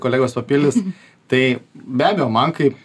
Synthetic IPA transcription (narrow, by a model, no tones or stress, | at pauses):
koːlʲæːɡoːspɐpʲɪlʲdʲɪs | t̪ɐɪbʲæːbʲejoːmɐnkɐɪp